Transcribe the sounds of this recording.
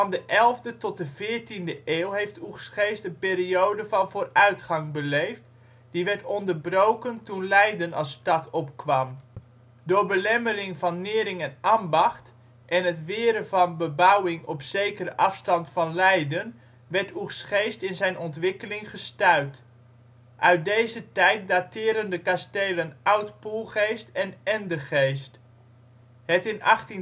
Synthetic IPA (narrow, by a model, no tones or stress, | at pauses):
fɑndəʔɛlˠvdətɔt̚dəvɪːɹtindəʔeːlˠɦejftuχsχejstənpɪːɾiowdəvɑnvoːrœɥtχɑŋbəlejft | d̥iʋɛɹtɔndərbrowkəntunlɛjdənɑstɑtʰɔpkʋɑm | dʊːɹbəlɛməɾɪŋvɑnːɪːɾɪŋɛnambɑχt | ʔɛnɦətʋɪːɾəvɑnbəbawɪŋɔpsejkərəʔɑfstɑntfɑnlɛjdən | ʋɛɹtʰuχsχejstɪnzɛjnʔɔntʋɪkəlɪŋχəstœɥt | ʔœɥt̚dejzətɛjt̚datɪːɾəndəkastejlənawtpulˠχejstɛnɛndəχejst | hətɪnɑχtin